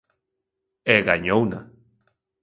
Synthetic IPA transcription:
eɣaɲowna̰

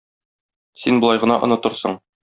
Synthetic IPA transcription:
sinbŏlˠɑjʁɤ̆nɑʔŏnɤ̆t̪ɤ̆ɾsɤɴ

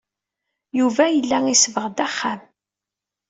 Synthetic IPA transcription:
juvæjəlːæisvəʁd̪æχːam

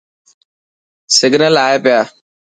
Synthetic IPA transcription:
sɪɡʱnəlaːeːpɪjaː

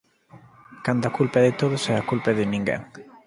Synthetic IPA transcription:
kand̪akulpaðɪt̪oðʊsɛakulpaðɪnĩŋɡɛ̰ŋ

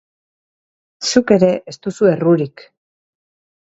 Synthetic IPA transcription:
suke̞ɾe̞ʔest̪usue̞ruɾik

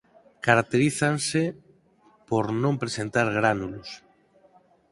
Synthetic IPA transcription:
kaɾak̚t̪eɾiθanse | poɾnõmpɾesent̪aɾɣ̞ɾanulos

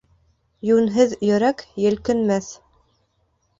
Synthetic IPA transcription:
jʉnɦɘðjɵ̆ɾækjɘ̆lkɘ̆nmæθ

